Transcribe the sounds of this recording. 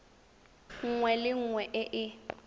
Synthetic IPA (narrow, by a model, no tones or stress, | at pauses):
ŋ̩ŋwɛlɪŋ̩ŋwɛʔɪʔɪ